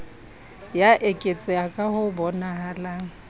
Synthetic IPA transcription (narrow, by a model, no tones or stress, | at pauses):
jaʔekʼet͡sʼɪakʼahʊbɔnahalaːŋ̩